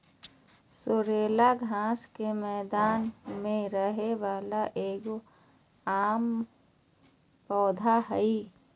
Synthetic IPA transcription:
sʊɾeːlaɡʱãːskemɛːd̪aːnmẽɾəɦeʋaːlaʔeːk | aːm | pɔːd̪ʱaɦɛi

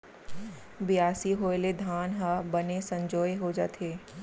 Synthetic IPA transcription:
bɪjaːsiɦoːeled̪ʱaːnɦəbɐnesɐ̃ɲd͡ʒoːeɦod͡ʒa̰ːt̪eː

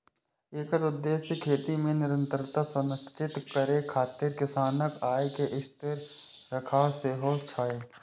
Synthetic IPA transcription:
eːkəɾʊd̪ːeːsjəkʰeːt̪imẽnɪɾə̃nt̪ɾət̪asʊnst͡ʃɪt̪kəɾekʰaːt̪ɪɾkɪsaːnəkaːekeʔɪst̪ɪɾː | əkʰaːseɦot͡ʃʰaːeː

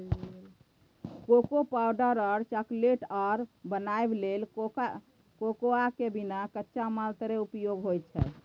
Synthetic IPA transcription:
kokopawɖəɾəɾt͡ʃəkleʈaɾbənaeblel | kokoakebinakətːʃamalt̪ɾeupjoɡɦojt̪̚t͡ʃʰɛ̰

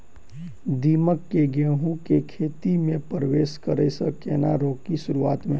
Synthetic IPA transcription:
d̪iːməkːeɡeːɦũkekʰeːt̪imẽpəɾəʋeːʃkəɾeːsəkeːnaɾoːkːiʃʊɾuaːt̪mẽ

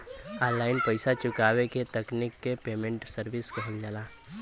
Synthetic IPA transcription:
ãːnlːaːɪnpəɪsat͡ʃʊkaːweket̪əknɪkːepeːmẽɳʈsəɾbɪskɐɦəld͡ʒaːlaː

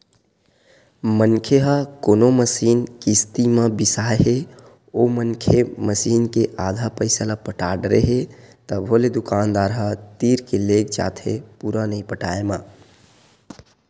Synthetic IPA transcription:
mənkʰeɦəkoːnoməsinkist̪imə̃bisaeɦe | omənkʰeməsiːnkeʔad̪ʱapəɪsəlapəʈaɖɾeɦet̪əbʱoled̪ukaːnd̪aɾɦət̪iɾkeleɡd͡ʒa̰t̪ʰepuɾanəipəʈaema

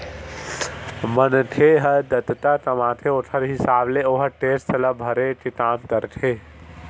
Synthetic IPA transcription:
mənʈ̪ʰeɦəd̪ət̪t̪at̪əmãːt̪ʰeoʈʰəɾɦisaːbleoːɦəʈeːstɐləbʱəɾet͡ʃit̪aːmt̪əɾʈ̪ʰe

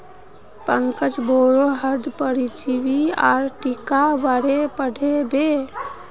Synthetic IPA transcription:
pəŋkət͡ʃboɾoɦəɾd̪pəɾit͡ʃibiaɾʈikabaɽepəɽʱebe

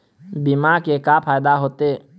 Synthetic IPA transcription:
bimakekapʰaːjd̪aɦoːt̪eː

